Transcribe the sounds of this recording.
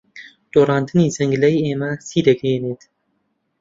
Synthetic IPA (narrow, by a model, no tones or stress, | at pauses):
d̪̥oːrˤɑːnd̪ɨniːzɐŋɡlɐjeːmɐsiːd̪ɐɡejeneːt̪